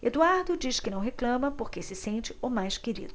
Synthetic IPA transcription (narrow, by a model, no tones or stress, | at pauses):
ḛd̪uaɾd̪ʊd͡ʒiʃkɪnɐ̃w̃ɦeklɐ̃mɐpoɾkesɪsẽnt͡ʃɪʊmajskeɾḭd̪ʊ